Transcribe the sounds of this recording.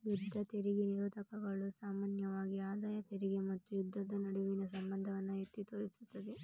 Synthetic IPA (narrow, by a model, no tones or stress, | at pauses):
jud̪ʱːɐt̪eɾiɡeniɾuːd̪ɐkɐɡɐɭusaːmaːnjɐʋaːɡiaːd̪aːjɐt̪eɾiɡemɐt̪ːujud̪ʱːɐd̪ɐnɐɽuʋinɐsɐmbɐnd̪ʱɐʋɐnːɐɦet̪ːit̪oːɾisut̪ːɐd̪e